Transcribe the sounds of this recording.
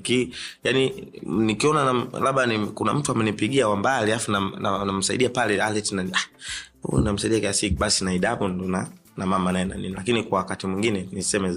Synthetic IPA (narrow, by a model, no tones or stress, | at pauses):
kijaninikiɔnanalaɓanikuna̰m̩tuamɛnipiɡiawambaliafunananam̩saḭɗiapalɛalɛtinanahṵninam̩saiɗiakiasikuɓasinaiɗaɓundɔna | namamanaɛna̰nḭnilakinikwawakatimwiŋɡinɛnisɛmɛ